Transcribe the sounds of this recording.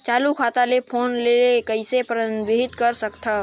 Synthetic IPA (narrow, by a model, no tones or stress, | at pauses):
t͡ʃaːlukʰaːt̪alepʰoːnleɾekəɪsepɾənʋeɦɪt̪kəɾsəkt̪ʰa